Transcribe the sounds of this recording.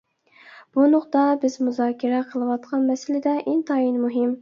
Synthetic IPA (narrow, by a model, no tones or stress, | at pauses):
b̥unʊqt̪ɑbɪzmuzɑːkʲʰiɾɛqʰəlˠɨwɑt̪̚qʰɑnmɛsɪlɪd̪ɛʔɪnt̪ʰɑjinmuɦɪm